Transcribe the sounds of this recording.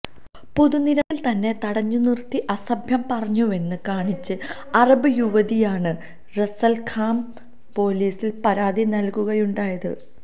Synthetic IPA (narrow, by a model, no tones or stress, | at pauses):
puðuniɾɐʋilt̪ɐnːe̞t̪ɐɽɐɲːunirt̪iʔɐsɐbʱjɐmpɐrɐɲːue̞nːɨkaːɳit͡ɕːɨ | ɐrɐbɨjuʋɐðijaːɳɨ | resɐlkʰaːm | po̞ːliːsilpɐɾaːd̪inɐlkuɣɐjuɳɖaːjɐðɨ̰